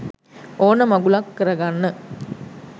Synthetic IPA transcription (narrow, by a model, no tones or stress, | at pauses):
oːnəmɐɡulakːəɾɐɡanːə